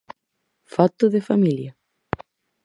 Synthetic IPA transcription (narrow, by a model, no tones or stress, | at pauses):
fat̪oðefamiljɐ